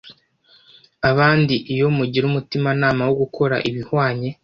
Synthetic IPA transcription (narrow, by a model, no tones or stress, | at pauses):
aβaːndiʔijo̞muɟiɾumutimanaːmawoɡukʰo̞ɾa̰ʔiβihwaːɲe̞